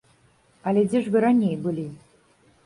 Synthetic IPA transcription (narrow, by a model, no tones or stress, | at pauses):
ɐlʲɛd͡zʲɛʐvɨɾanʲejbɨlʲi